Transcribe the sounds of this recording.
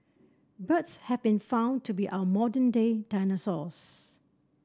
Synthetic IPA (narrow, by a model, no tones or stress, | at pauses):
bətshɛvbĩnfãʊ̃ntʰubiʔaʊəmɔdə̃nded̥ãɪnəsɔs